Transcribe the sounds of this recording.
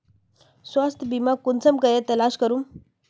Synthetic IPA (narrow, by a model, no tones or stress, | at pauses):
sʋast̪ʰbimakunt͡səmkəjɛt̪əlaɕkəɾuːm